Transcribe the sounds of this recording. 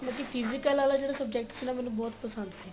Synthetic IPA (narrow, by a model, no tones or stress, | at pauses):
mãkipʰizɪkəlaːlaːd͡ʒeːɽaːsəb̚d͡ʒɛk̚ʈsiːnaːmɛːnũːbɔːt̪pəsənd̪si